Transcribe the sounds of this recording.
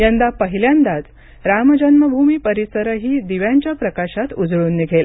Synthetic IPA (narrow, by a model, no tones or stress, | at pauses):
jənd̪apəɦiljãnd̪at̪ | ɾamd͡ʑənməbʱumiːpəɾisəɾəɦiːd̪iʋjaɲt͡ɕjapɾəkaɕat̪ud͡zɭuːnːiɡʱel